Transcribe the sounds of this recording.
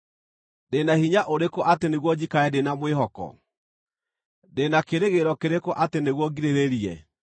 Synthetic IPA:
denahiɲaʔoɾekɔʔateneɣwɔd͡ʑikaɛdenamweɦɔkɔ̰ | denakeɾeɣeɾɔkeɾekɔʔateneɣwɔɡiɾeɾeɾiɛ

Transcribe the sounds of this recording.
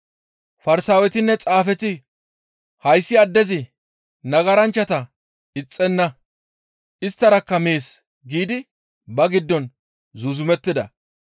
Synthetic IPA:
fɐɾɪsaːwɛt̪ɪnːɛt͡sʼaːfɛt̪ɪ | hɐjsːɪɐd̪ːɛzɪ | nɐɡɐɾɐnt͡ʃːɐt̪ɐ | ɪt͡sʼːɛnːɐ | ʔɪst̪ːɐɾɐkːɐmeːs | ɡiːd̪ɪ | bɐɡɪd̪ːɔn | zʊzʊmɛt̪ːɪd̪ɐ̰

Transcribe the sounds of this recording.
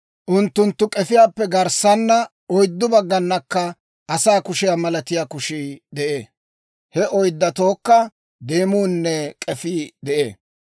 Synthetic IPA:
ʔʊnt̪ːʊnt̪ːʊkʼɛfɪjaːpːɛɡɐɾsɐnːɐ | ɔjd̪ːʊbɐɡːɐnːɐkːɐ | ʔɐsaːkʊʃɪjaːmɐlɐt̪ɪjaːkʊʃid̪ɛʔeː | hɛʔɔjd̪ːɐt̪o̞ːkːɐ | d̪eːmuːnːɛkʼɛfiːd̪ɛʔḛː

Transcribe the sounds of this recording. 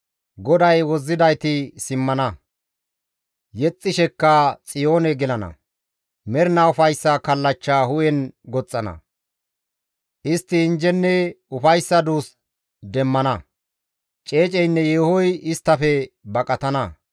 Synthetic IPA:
ɡɔd̪ɐjwɔzːɪd̪ɐjt̪ɪsɪmːɐnɐ | jɛt͡sʼːɪʃɛkːɐt͡sʼɪjo̞ːnɛɡɛlɐnɐ̰ | mɛɾnaʊfɐjsːɐkɐlːɐt͡ʃːaːhʊjɛnɡɔt͡sʼːɐnɐ̰ | ʔɪst̪ːɪːnd͡ʒɛnːɛʊfɐjsːɐd̪uːs | d̪ɛmːɐnɐ | t͡ʃʼe̞ːt͡ʃʼɛjnːɛjeːhɔjɪst̪ːɐfɛbɐkʼɐt̪ɐnɐ

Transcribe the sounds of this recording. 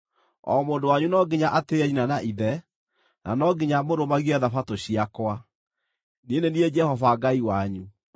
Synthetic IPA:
ɔ̰moːndowaɲunɔɡeɲaʔateɛinanaʔiðɛ | na̰nɔɡiɲamoɾomaɣiɛðafatoɕiakwa | ninenied͡ʒɛhɔvaɡaiwaɲu

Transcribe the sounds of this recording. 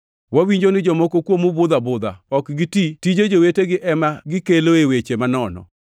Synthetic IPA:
wawiɲd͡ʒonɪd͡ʒɔmokokwomubʊd̪abʊd̪a̰ɔkɡititid͡ʒed͡ʒoweteɡɪʔɛmaɡɪkeloewet͡ʃemanɔnɔ̰

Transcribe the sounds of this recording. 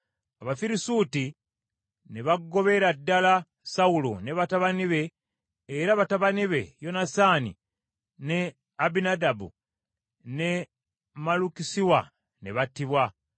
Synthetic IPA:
aβafiɾisuːti | ne̞βaɡːo̞βe̞ɾadːala | saulo̰neβataβaniβe̞ː | ɾaβataβaniβe̞jo̞nasaːnḭ | ne̞ | abinadabṵ | ne̞ | malukisiwa | ne̞βatːiβwa

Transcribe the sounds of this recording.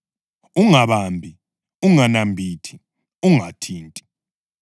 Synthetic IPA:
uŋaβambʱi | uŋanambʱitʰi̥ | uŋatʰiːntʼi̥

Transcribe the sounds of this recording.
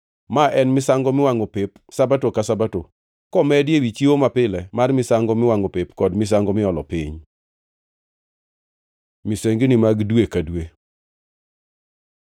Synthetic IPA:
maʔɛnmɪsaŋɡɔmɪwaŋopep | sabatokasabato | kɔmɛdɪjewit͡ʃiomapɪlɛmarmɪsaŋɡɔmɪwaŋopepkɔdmɪs̬aŋɡɔmɪɔlɔpḭɲ | miseŋɡinimaɡdwekadwe

